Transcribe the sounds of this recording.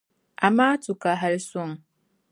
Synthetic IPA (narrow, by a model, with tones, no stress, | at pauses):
a˨maː˦tu˨ka˨ɦa˦lsɔ˦˨ŋ